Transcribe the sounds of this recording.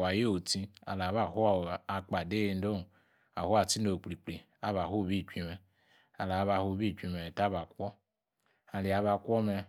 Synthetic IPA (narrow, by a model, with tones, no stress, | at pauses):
a˨je˦o˨tĩ˧a̰˨la˨βa˦˨hu˦˨a˨k͡pa˨de˦je˧n˦do˦˨ | a̰˨hu˦a˨ti˦no˨k͡pli˨k͡pli˨ | a˦βa˨ɦu˦˨bi˦˨t͡ʃʷi˧mɛ˨ | a˨la˨˦βa˧˨hu˦˨bi˦˨t͡ʃʷi˧mɛ˨ta˦βa˨kʷɔ˦ | a˨li˨a˨˦βa˧kʷɔ˦mɛ˧